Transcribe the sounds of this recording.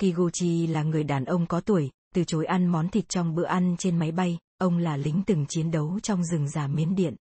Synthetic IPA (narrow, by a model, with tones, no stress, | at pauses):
ki˧ɣo˧t͡ɕi˧laː˨˩ŋɨ˨˩əjɗaː˨˩nʔə˧wŋ͡mkɔ˨˦t̪u˧˩əjt̪ɨ˨˩t͡ɕo˨˦jʔa˧nmɔ˨˦nt̪ʰï˨˩t̚t͡ɕɔ˧wŋ͡mɓɨ̰˧˨əʔa˧nt͡ɕe˧nma˨˦jɓa˧j | ʔə˧wŋ͡mlaː˨˩lï˨˦ŋ̟t̪ɨ˨˩ŋt͡ɕi˨˦ənɗə˨˦wt͡ɕɔ˧wŋ͡mzɨ˨˩ŋzaː˨˩mi˨˦ənɗḭ˧˨ənʔ